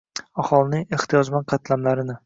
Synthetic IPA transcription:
aχɒlˠɪnɪŋe̞χt̪ʰijɒd͡ʒmanqʰɑt̪lamlaɾɪnɪ

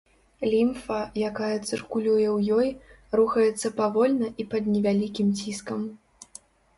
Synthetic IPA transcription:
lʲimfɐjakajɐt̪sɨrkulʲujɛwjɔj | ruxɐjɛt̪sːɐpavɔlʲnɐʔipɐd̪nʲɛvʲalʲikʲimt͡sʲiskɐm

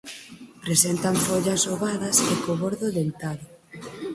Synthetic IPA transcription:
pɾesent̪ɐɱfoʎɐsoβaðɐsekoβoɾðʊðent̪aɾʊ

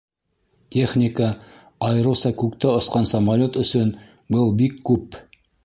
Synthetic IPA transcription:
tʲe̞χnʲɪkə | ɑjɤ̆ɾɤ̆w̪sɑkʉkt̪æŏsqɑnsɐmalʲot̪ɵ̆sɵn | bɤlˠbikːʉp

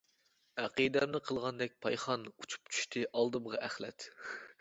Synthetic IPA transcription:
æqid̪ɛmnɪqʰəlˠʁɑnd̪ɛk̚ʲpʰɑjχɑnut͡ʃʰu̥p̚t͡ʃʰy̥ʃt̪ʰɨʔɑlˠd̪ɨmʁɑʔæχlɛ̰t̪

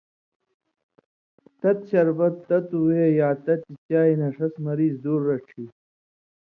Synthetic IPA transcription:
t̪ɐt̪̚ɕɐɾbɐt̪ːɐt̪uweːjaːt̪ɐt̪it͡ɕaːinɐʂɐsmɐɾiːzd̪uːɾːɐʈ͡ʂʰiː

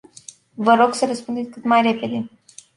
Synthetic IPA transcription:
vəɾo̞ɡsəɾəspund̪et̪ʲkɨt̪majre̞pe̞d̪e̞

